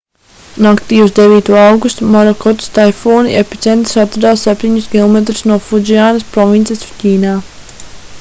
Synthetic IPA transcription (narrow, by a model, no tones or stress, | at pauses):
nakt̪iːuzd̪eviːt̪uɔawɡust̪mɔɾɔkɔt̪st̪ajfoːniepi̥t̪sɛnt̪sat̪ɾud̪aːsːɛp̚ʲt̪iɲuskʲilˠɔmet̪ɾusnuɔfud͡ʒiaːnɐspɾɔvint̪sɛsciːnaː